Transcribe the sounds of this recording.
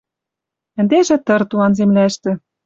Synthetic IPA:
ɘ̆nd̪eʒĕt̪ɤ̆rt̪ulɑnzemlæʃt̪ɘ̆

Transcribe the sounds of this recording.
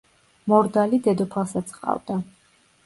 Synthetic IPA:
mɔɾd̪alid̪ɛd̪ɔpʰasat̪sʰqʼa̰vd̪a

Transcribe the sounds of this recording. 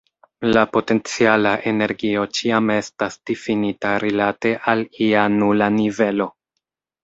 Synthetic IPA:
lapo̞te̞nt͡sialaʔe̞ne̞ɾɡio̞t͡ʃiame̞stasd̥ifinitaɾilate̞ʔalianulanive̞lo̞

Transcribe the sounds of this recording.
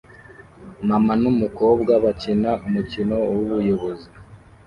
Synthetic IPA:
mamanumuko̞ːbɡaβacinaʔumucino̞wuβujo̞βo̞zi

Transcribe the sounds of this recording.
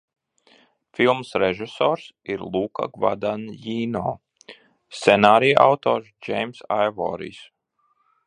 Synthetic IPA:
filˠmsɾeʒisɔːɾsiɾlˠuːka̰ɡva̰d̪anjiːnɔː | st̪sɛnaːɾijʔa̰wt̪ɔːɾsd͡ʒejmsa̰jvɔ̰ːɾḭs

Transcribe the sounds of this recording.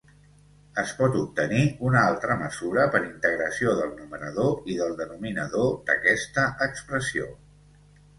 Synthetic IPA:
əspɔt̪up̚t̪əniunalˠt̪ɾəməzuɾəpəɾint̪əɣɾəsioðəlˠnumənəð̞oiðəlˠd̪ənuminəðod̪əkɛst̪əʔəkspɾəsio

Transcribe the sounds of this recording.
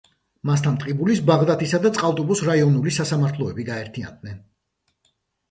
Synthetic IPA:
mast̪ʰant̪ʼqʼibulisbaʁd̪at̪ʰisad̪at̪sʼqʼalˠt̪ʼubusɾaiɔnulisasamaɾt̪ʰlˠɔɛbiɡaɛɾt̪ʰia̰nd̪̚nɛn

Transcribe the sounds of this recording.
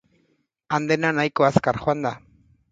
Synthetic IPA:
and̪enanajkoaskaɾχwand̪a

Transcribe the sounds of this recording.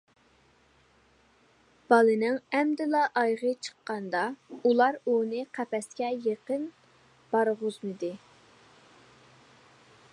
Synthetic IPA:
b̥ɑlˠɨnɪŋɛmd̪ɪlɑʔɑjʁət͡ʃʰə̥qːɑnd̪ɑulˠɑɾunɨqʰæpɛskʲɛjeqən | b̥ɑɾʁʊzmɨd̪ɨ

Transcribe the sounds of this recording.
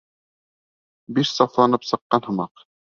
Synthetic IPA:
biʃsɑflˠɑnɤpsɤ̆qːɑnhɤ̆mɑq

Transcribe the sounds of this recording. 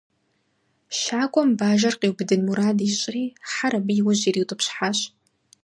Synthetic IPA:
ʃaːkʷʼɔmbaːʒɐrqeːwbɨdɨnmuɾaːdiɕʼriːħaɾɐbijwʊʑiːriːwtʼɨpɕħaːɕ

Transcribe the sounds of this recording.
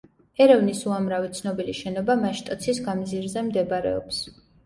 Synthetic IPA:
ɛɾɛvnisuamɾavit̪sʰnɔbiliʃɛnɔbamaʃt̪ʼɔt̪sʰisɡamziɾzɛmd̪ɛbɾɛ̰ɔ̰ps

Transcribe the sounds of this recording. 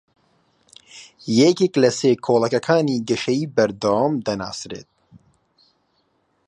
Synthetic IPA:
jekeːklɐseːkʰoːlˠɐkɐkʰaːniːɡəʃɐjiːbɐɾd̪awaːmd̪ɐna̰ːsɾḛːt̪̚

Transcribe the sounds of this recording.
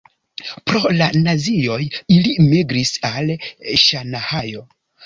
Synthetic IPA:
pɾo̞lanazio̞jilimiɡɾisalʃanahajo̞

